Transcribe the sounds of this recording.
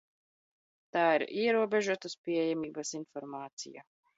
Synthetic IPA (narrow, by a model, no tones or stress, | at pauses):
t̪aːiɾiɛɾuɔbɛʒuɔt̪aspʲiɛjamiːbasinfɔɾmaːt̪sḭja̰